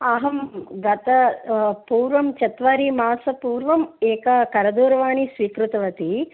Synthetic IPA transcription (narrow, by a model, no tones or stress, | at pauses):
aːɦɐmɡɐt̪ɐpuːɾʋɐmt͡ʃɐt̪ʋaːɾimaːsɐpuːɾʋɐmɛːkɐkɐɾɐd̪uːɾɐʋaːnisʋiːkɾut̪ɐʋɐt̪i